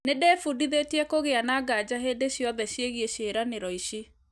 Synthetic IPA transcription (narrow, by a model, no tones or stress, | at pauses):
nedeːfudiðetiɛkoɣeanaɡad͡ʑaɦeːdeɕijɔðɛɕieɣieɕeɾaneɾɔiɕi